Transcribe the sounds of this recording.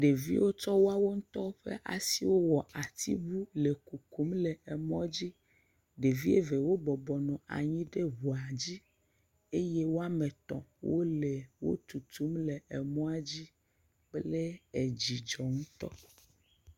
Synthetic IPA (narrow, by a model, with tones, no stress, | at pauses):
ɖe˨vḭ˦wo˦t͡ʃɔ˦wo˦a˦wo˦ŋ̩̃˦t̪ɔ˦ɸḛ˦ʔa̰˨si˦wo˦wɔ˨a˨t̪ʰḭ˦bu˦le˨ku˨ku˨˦mle˨ɛ˨mɔ̃˦d͡ʑi˦ | ɖe˨vi˦e˦ve˨wo˦bɔ˨bɔ˨nɔ̃˨ʔa̰˨ɲĩ˦ɖe˦ɦu˨a˨d͡ʑi˦ | e˦je˦wo˦a˦me˨t̪ɔ̰̃˨wo̰˦le˨wo̰˦t̪u˨t̪u˨˦mle˨ʔɛ˨mɔ̃˦a˦d͡ʑi˦ | k͡ple˦ɛ˨d͡ʑi˨d͡ʒɔ˨ŋũ˦t̪ɔ̰˦